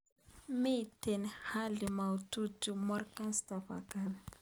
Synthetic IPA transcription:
mitɛnhalimaututumɔrkanstapa̰kan

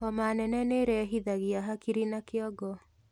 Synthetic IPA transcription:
ɔmanɛnɛneɾɛɦiðaɣiaɦakiɾinakeɔɡɔ

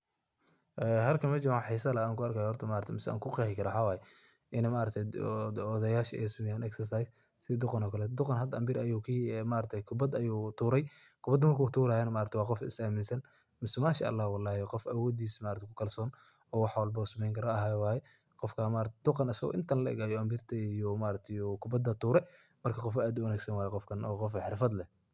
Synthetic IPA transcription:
ʔɛːɦɐlkʰɐmɐt͡ʃɪʕaħiːsɐlɐaːŋkʊɐrkʰaːjhɔrt̪ʰɐmaːɾɐt̪ʰɛmɪsɛa̰ːŋkʰʊqɛhɪkʰɐɾɐħɑwaːjɛ | ʔɪnɐmaʔɾɐt̪ʰɛɔːðɐjaːʃɐʔɛ̰sʊmɛjanɛksɐrsajs | sɪd̪ʊqɑnɔːkʰɐlɛd̪ʊqɑnɦɐd̪ɐɐmbɪɾʔɐjuːkʰiːmaːɾt̪ʰɛkʰʊbɐd̪ɐjuːt̪ʰuːɾɛj | kʰʊbɐd̪ɐmɐrkʰuːt̪ʰuːɾaːjɐnɐmaːɾɐt̪ʰɛwɑːqɔfɪ̰saːmɪnsɐn | mɪsɛmaːʃa̰ʔɐ̰lːɑːhwɑlːɑːhqɔfʔɐwɔːd̪iːsmaːɾɐt̪ʰkʰʊkʰɐlsɔːn | ɔːwɑħwɐlbɐsɐmɛjŋkʰɐɾɔɐɦawaːjɛ | qɔfkʰamaːɾɐt̪ʰɛd̪ʊqɑnɐsɐɣɔ̰ʔɪnt̪ʰɐnlɐʔɛ̰ɣaːjɔɐmbiːrt̪ʰɐijɔmaːɾɐt̪ʰɛjɔkʰʊbɐd̪ɐt̪ʰuːɾɛ | mɐrkʰɐqɔfɔʔaːd̪ʊɐnaːɡsɐnwaːjɛqɔfkʰɐnɔːqɔfħɪrfɐd̪lɛh

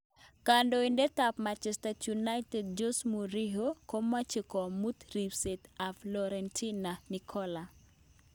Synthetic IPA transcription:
kandoindetapmat͡ʃɛstatjunajtɛd̚d͡ʒosmuɾiɦokomat͡ʃɪkɔmut̪ɾipsetaflɔɾɛntʰinanikʰɔla

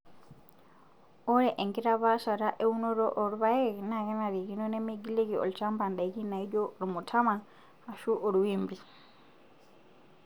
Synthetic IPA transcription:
oɾeʔeŋɡiɾaβasaɾaʔeunoɾoʔoɾuβajenaɣenaɾiɣinonemiɡileɣio̰lit͡ʃaːmbaːndaiɣinaiɟolumutʰama | aʃuʔoɾuwiːmbi

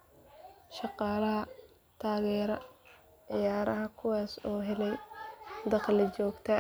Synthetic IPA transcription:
ʃɑqɑːlɐɦɐ | t̪ʰaːɣɛːɾɐ | ʕɪjaːɾɐɦɐkʰʊwɑːsɔːɦɛlɛjd̪ɐqlɪt͡ʃɔːɡt̪ʰɐ

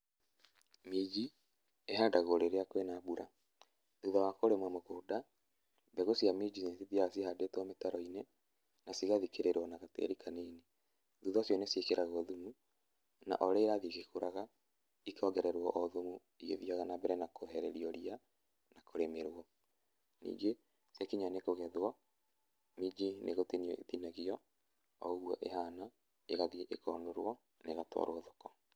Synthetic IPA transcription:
mid͡ʒi | eɦadaɣoɾeɾeakwenabuɾa | ðuðawakoɾemwamokoːda | bɛɣosiamid͡ʒinesiðiasihadetwɔmetaɾɔine | nasiɣaðikeɾeɾwɔnaɣatḛɾikʰanine | ðuðɔsjɔnesiekeɾaɣɔðumu | na̰ʔoɾeːɾaðiɣekoɾaɣa | ikɔɡɛɾɛɾwɔʔoðomu | iɣḛðiaɣanabɛɾɛnakoɦɛɾɛɾiɔɾia | nakoɾemeɾwɔ | nḭːŋɡe | siakiɲanekoɣɛðwa | mid͡ʒinʔeɣotiniɔʔetinaɣiɔ | ɔoɣuɔʔeɦana | eɣaðiɛʔekʰɔndoɾw̰ɔ | neɣatwa̰ɾooðokɔ

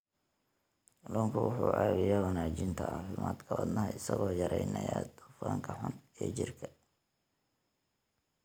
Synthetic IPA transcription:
lɔːŋkʰʊwʊħuːʕɑːβɪjawɑnaːt͡ʃɪnt̪ʰɐaːfɪmaːd̪kʰɐwɐd̪nɐɦɐɪsɐɣɔːjɐɾɛjnɐjad̪ʊfaːŋkʰɐħʊnɛːt͡ʃɪrkʰɐ

